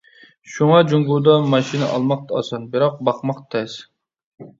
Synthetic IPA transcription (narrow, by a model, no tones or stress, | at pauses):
ʃuŋɑd͡ʒuŋɡud̪ɑmɑʃinɨʔɑ̰lˠmɑq̚t̪ʰɑɑsɑnbɪɾɑq̚bɑqmɑqt̪ʰɛs